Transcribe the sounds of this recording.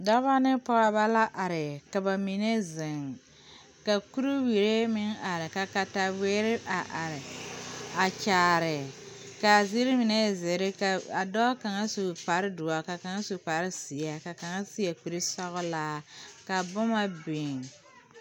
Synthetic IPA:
da˦ba˦nɪ˦pɔ˦ɣa˦ba˦la˦ʔa˨ɾɪ˨ka˨ba˨mi˨ne˦zɪ˨ŋ | ka˨ku˦ɾu˦wi˨ɾe˦mɪ˦ŋa˨ɾɪ˨ka˨ka˨ta˨we˦ɾɪ˦ʔa˨ʔa˨ɾɪ˨ | a˨t͡ʃaː˨ɾɪ˨ | ka˨zi˦ɾi˦mi˨ne˦zɪ˨ɾɪ˦ka˨a˨dɔː˦ka˨ŋa˦su˨pa˨ɾɪ˦dʊ˨a˨ka˨ka˨ŋa˦su˨pa˨ɾɪ˦si˨a˨ka˨ka˨ŋa˦si˦a˨ku˨ɾe˦sɔ˦ɣʊ˦laː˦ka˨bʊ˦ma˦bi˨ŋ

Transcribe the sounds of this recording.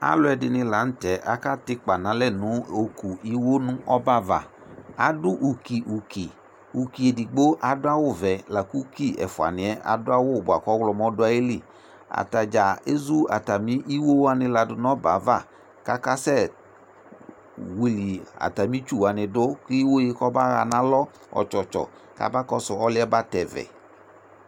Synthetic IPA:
a̰˦lʊ˦ɛ˨dɪ˧nɪ˧la˨˦n̩˦tɛ˨˦ʔa̰˦ka˦tɪ˦k͡pa˨nã˨˦lɛ˦˨nʊ˨˦o˨ku˨i˦wo˦nʊ̃˦ʔɔ˦ba˦va̰˨ | a̰˨dʊ˦ʔu˨ki˨ʔu˨ki˨ | u˨ki˨e˨di˨ɡ͡bo˦ʔa˨dʊ˦a˦wʊ˦˨vɛ˨la˨ku˦ki˦˨ɛ̰˨fʊ˨a̰˨nɪ̃˨˦ɛ˦ʔa̰˨dʊ˦a˦wʊ˦˨bʊ˨a˨kɔ˦wlɔ˨mɔ˦dʊ˦a˦je˦li˦˨ | a̰˨ta˨d͡ʒa˨e˦zu˦a̰˨ta˨mi˦ʔi˦wo˦wa˧nɪ˧la˨dʊ˨nɔ˦ba̰˨˦va˦˨ | ka˦ka˦sɛ˦˨ | wi˨li˨a̰˨ta˨mi˦t͡ʃu˦˨wa˨nɪ˨dʊ˦ki˦wo˦jɪ˦kɔ˦ba˦ɣa˨na˦lɔ˦ | ɔ̰˨t͡ʃɔ˨t͡ʃɔ̰˨ | ka̰˦ba˦kɔ˦sʊ˨ɔ˦lɪ˦ɛ˦ba˦tɛ˨vɛ̰˨

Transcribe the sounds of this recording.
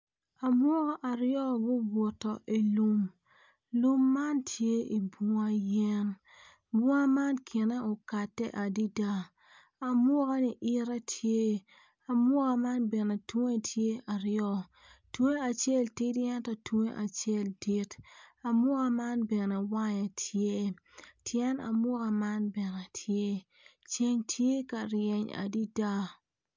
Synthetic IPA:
a˨mwɔ˦kɔ˦ʔa˨ɾjɔ˦ɡʊ˦bwo˨tːɔ˨ʔi˨lu˦m | lu˦mːa˦ntʰje˦i˨bu˦a˦jɛ˦n | bu˦a˦ma˦nkʰɪ˨nɛ˦ʊ˨ka˨tːɛ˦ʔa˨di˦da˦ | a˨mwɔ˦kɔ˦ni˨ʔɪ˦ɾɛ˦tʰje˦ | a˨mʊ˦ka˦ma˦nbɛ˨ne˨twe˦tʰje˦ʔa˨ɾjɔ˦ | twu˦e˦a˨t͡ʃe˦˨lti˦djɛ˦ntɔ˦twe˦ʔa˨t͡ʃje˦˨lti˦ta˨mʊ˦ka˦ma˦nbɛ˨nɛ˨wa˦ɲa˨tʰje˦ | tʰjɛ˦na̰˨mʊ˦ka˨ma˦nbɛ˨ne˨tʰje˦ | t͡ʃe˦ɲtʰje˦ka˨ɾjɛ˨ɲa̰˨di˦da˦

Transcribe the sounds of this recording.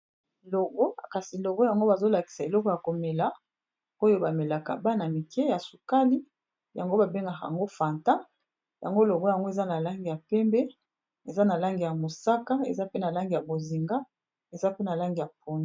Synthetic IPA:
lo˨ɡo˦˨ka˨si˨lo˨ɡo˦ja˨ŋɡo˦ba˨zo˦la˨ki̥˨sa˨e˨lɔ˦kɔ˨ja˨ko˨me˨la˦ | o˦jo˦ba˨me˨la˨ka̰˨ba˦na˨mi˨kɛ˦ja˨su˨ka˦li˦ | ja˨ŋɡo˦ba˨be˦ŋɡa˨ka˨ja̰˨ŋɡo˦fa˨nta˦ | ja̰˨ŋɡo˦lo˨ɡo˦ja˨ŋɡo˦e˨za˦na˨la˦ŋɡi˨ja˨pɛ˦mbɛ˦ | e˨za˦na˨la˦ŋɡi˨ja˨mo˨sa˦ka˦ḛ˨za˦pe˦na˨la˦ŋɡi˨ja˨bo˨zi˨ŋɡa˦ | e˨za˦pe˦na˨la˦ŋɡi˨ja˨p̚o˦n˦˨

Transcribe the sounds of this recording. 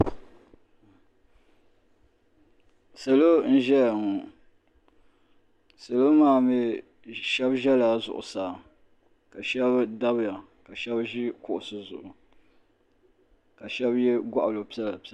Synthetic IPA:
sa˨lo˦n̩˦ʒɛ˦˨ŋʊ˨ | sa˨lo˦maː˦˨mɛ˦ | ʃɛ˦bʒɛ˦la˨zʊ̰˨ʔʊ̰˨saː˨ | ka˨ʃɛ˦bda˦bja˨ | ka˨ʃɛ˦bʒɪ˦kʊ˨ʔʊ˨sɨ˨zʊ˨ʔʊ˨ | ka˨ʃɛ˦bjɛ˦ɡa˦ʔa˨lo˨pi˦ɛ˦la˨p

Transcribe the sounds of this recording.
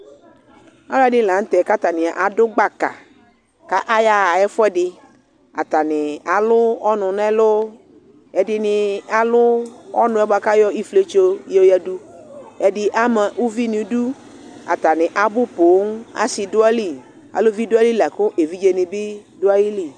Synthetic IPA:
a˦la˦dɪ˦˨la˨ŋ̩˦t̪ɛ˨ka˦t̪a˨nɪ̃˨a̰˨ʔa˨dʊ˦ɡ͡ba˨ka̰˨ | ka˦ʔa˦ja˦a˨ɛ˦fʊ˦ɛ˦ɖɪ˨ | a˨t̪a˨nɪ˨a˨lʊ˦ɔ˦nʊ̃˨nɛ˦lʊ˦ | ɛ˨dɪ˦nɪ˨a˨lʊ˦ɔ˦nʊ̃˦ɛ˦ba˨ka˦jɔ˦i˦fle˦t͡ʃo˦je˦o˦ja˦du˦ɛ˨dɪ˦ʔa˦mɛ˨ʔu˦vi˦nĩ˨du˦ | a̰˨t̪a˨nɪ̃˨ʔa˨bʊ˦po˨˦ŋ˦a̰˦si˨dʊ˦a˦li˦˨ | a̰˨lʊ˦vi˦dʊ˦a˦li˦la˨kʊ˦ʔe˨vi˦d͡ʒe˦nɪ̃˨bɪ˦dʊ˦a˦ji˦li˨

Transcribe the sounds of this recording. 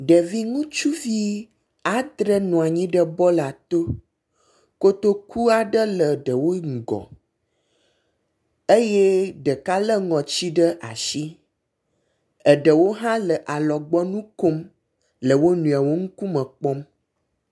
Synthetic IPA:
ɖə˨vi˦ŋũ˦t͡ʃu˦vi˦ | a˨d̪ɾə˦nɔ̃˨a˨ɲĩ˦ɖə˦bɔ˦la˨t̪o˦ | ko˦t̪o˦ku˦a˨ɖə˦lə˨ɖə˨wo˦ŋ̩˨ɡɔ̰˨ | e˦je˦ɖə˨ka˦lə˦ŋɔ̃˨t͡ɕi˦ɖə˦ʔa̰˨ʃi˦ | ə˨ɖə˨wo˦ɦã˦lə˨ʔa˨lɔ˨ɡ͡bɔ˦nũ˦ko˦m | lə˨wo˦nũ˨a˨wo˦ŋu˦ku˦mə˨k͡pɔ˦m

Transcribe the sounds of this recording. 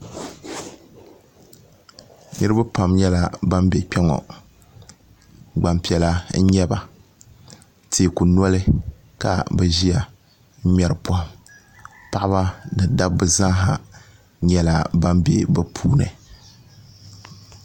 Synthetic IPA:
nɨ˦ɾɨ˦ba˦pa˨mɲɛ˦la˦ba˦mbɛ˨k͡pɛ˦ŋɔ̰˨ | ɡ͡ba˨mpi˨ɛ˨la˦ɲɛ˦ba̰˨ | teː˨ku˨nɔ˦lɨ˦ | ka̰˨bɛ˦ʒi˦a˨˦ | ɲɛ˨ɾɨ˨pɔ˦hm | pa˦˨ʔa˦ba˦nɨ˨da˦b̚bɨ˦zã˦ɦa˨ | ɲɛ˦la˨ba˦mbe˨bɛ˦pʰuː˦nɨ̰˨

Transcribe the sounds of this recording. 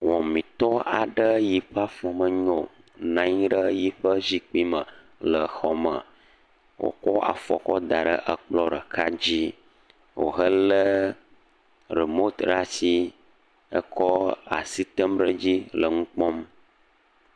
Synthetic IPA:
wɔ˨mĩ˨t̪ɔ˦a˨ɖə˦ji˨ɸa˦fɔ˨mə˨ɲɔ̃˨ | nã˨˦ɲi˦ɖə˦ji˦ɸə˦zi˦k͡pi˦mə˨ | lə˨xɔ˨mə̰̃˨ | wo̰˨kɔ˦a̰˨fɔ̰˨kɔ˦d̪a˨ɖə̰˦ʔə˨k͡plɔ˦ɖə˨kʰa˦d͡ʑi˦ | wo̰˨ɦə˦lə˦ | ɾi˨mo˦t̪ɖa˦si˦ | ə̰˦kɔ˦a̰˨si˦t̪ə˦mɖə˦d͡ʑi˦lə˨ŋũ˦k͡pɔ̃˦m

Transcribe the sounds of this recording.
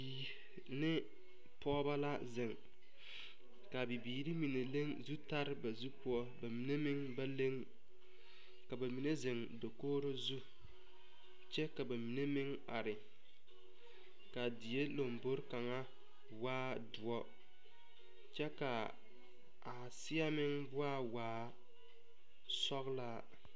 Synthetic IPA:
iː˨ | nɪ˦ | pɔː˦ba˦la˦zɪ˨ŋ | ka˨bɪ˨biː˨ɾi˦mi˨ne˨le˦ŋzu˦ta˦ɾɪ˦ba˨zu˦pʊ˦ɔ˦ba˨mi˨ne˦mɪ˦ŋba˦le˦ŋ | ka˨ba˨mi˨ne˦zɪ˨ŋ | do˨koː˦ɾo˦zu˦ | t͡ʃɛ˦ka˨ba˨mi˨ne˦mɪ˦ŋ | a̰˨ɾɪ˨ | ka˨dɪ˨je˦lo˨mbo˦ɾka˨ŋa˦ | waː˦ | dʊ˨ɔ˦ | t͡ʃɛ˦ka˨ | a˨ | sɪ˦a˦mɪ˦ŋbʊ˦a˦waː˦ | sɔ˦ɣlaː˦

